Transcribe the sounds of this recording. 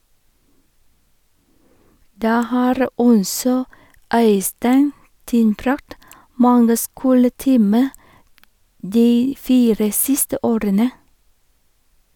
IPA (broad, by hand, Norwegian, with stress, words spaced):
ˈdæː ˈhɑːɾ ˈɔsɔ ˈœʏstæɪn ˈtɪnbɾɑkt ˈmɑŋɡə ˈskuːləˌtiːmə ˈdiː ˈfiːɾə ˈsɪstə ˈoːɾənə